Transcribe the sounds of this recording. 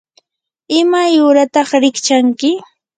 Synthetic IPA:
ɪmajʊɾat̪ɑχɾɪkt͡ʃaŋkɪ

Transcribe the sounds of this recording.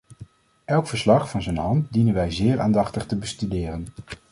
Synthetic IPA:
ʔɛlˠkfəɹslɑχfɑnzənɦɑnt̚dinənʋɛjzɪːɹa̰ːndɑχtəχtəbəstydɪːrən

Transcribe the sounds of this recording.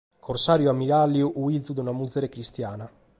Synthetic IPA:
kʰorsaːɾjuamːiɾalːjuʔuid̪zud̪unamud̪zːeɾekɾist̪jaːna

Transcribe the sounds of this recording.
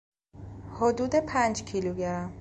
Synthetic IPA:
hod̪uːd̪epʰæːnd͡ʒcʰiːluɟæɾæm

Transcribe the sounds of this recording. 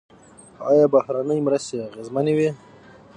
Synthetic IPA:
ɑjɑbahɾanəjmɾast̪eaɣezmanewi

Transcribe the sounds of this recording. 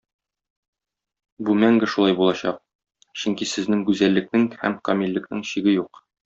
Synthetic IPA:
bumæŋɡɘʃulˠɑjbulˠɑɕɑ̰q̚ | ɕɵŋkisɘ̆znɘŋɡʉzælːɘ̆k̚nɘŋhæmkɒmilʲːɘ̆knɘŋɕiɡɘjuq

